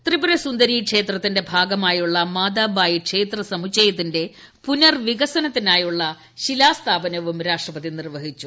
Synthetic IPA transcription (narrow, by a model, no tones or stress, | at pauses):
t̪ribuɾɐsund̪ɐɾiːkʂe̞ːt̪rɐt̪ːinde̞bʱaːɡɐmaːjuɭːɐmaːd̪aːbaːjikʂe̞ːt̪rɐsɐmut͡ɕːɐjɐt̪ːinde̞ | punɐrʋiɣɐsɐnɐt̪ːinaːjuɭːɐ | ɕilaːst̪ʰaːbɐnɐʋumɾaːʂʈrɐpɐðinirʋɐɦit͡ɕːu